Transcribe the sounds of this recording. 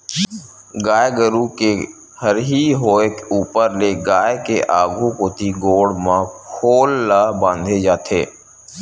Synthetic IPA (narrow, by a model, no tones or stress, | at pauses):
ɡaːjɡəɾuke | həɾɦiɦoːekuːpəɾleɡaːekeʔaːɡʱũkot̪ʰiɡoːɽmãkʰoːlːaːbãːnd̪ʱed͡ʒaːt̪ʰḛː